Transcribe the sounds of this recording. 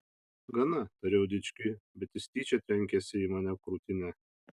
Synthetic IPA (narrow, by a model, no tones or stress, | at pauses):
ɡɐnɐt̪ɐɾʲɛʊd̪ʲɪt͡ʃʲkʲɪbʲɛt̪ʲɪsʲt̪ʲiːt͡ʃʲɛt̪ʲɾʲɛŋʲkʲɛsʲɪiːmɑːnʲɛkɾut̪ʲɪnʲɛ